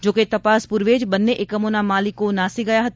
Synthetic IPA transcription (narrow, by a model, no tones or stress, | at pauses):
d͡ʒoːket̪ɐpaːspʊɾʋeːd͡ʒbɐnːeʔɪkəmoːnamaːlikonaːsiɡɐjaɦɐt̪